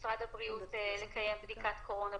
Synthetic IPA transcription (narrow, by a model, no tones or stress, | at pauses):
sʁad̪abʁiutele̞kaje̞mbd̪ikat̪kʰo̞ʁo̞na